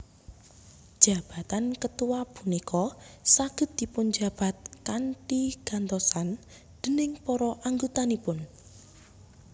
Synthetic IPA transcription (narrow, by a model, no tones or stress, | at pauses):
d̥ʒ̥a̤b̥a̤t̪ankət̪uwab̥unikɔsaɡ̥ə̤t̪̚d̪̥i̤pʊnd͡ʒa̤b̥a̤t̪̚kanʈiɡ̥a̤nt̪ɔsan | d̪̥ə̤nɪŋpɔɾɔʔaŋɡut̪anipʊn